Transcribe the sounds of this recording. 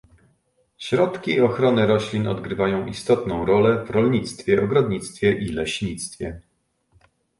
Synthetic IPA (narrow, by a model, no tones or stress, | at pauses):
ɕɾɔt̪kʲiːɔxɾɔnɘɾɔɕlʲinɔ̰d̪ɡɾɘvajɔ̃w̃ʔist̪ɔt̪nɔ̃w̃ɾɔlɛvɾɔlɲit̪st̪fʲjɛɔɡɾɔd̪ɲit̪st̪fʲjɛʔilɛɕɲit̪st̪fʲjɛ̰